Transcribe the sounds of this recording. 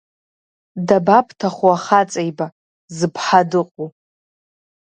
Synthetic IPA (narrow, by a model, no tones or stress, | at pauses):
dabapʰtʰaχuaχat͡sʼajba | zɨpʰħadɨqʼu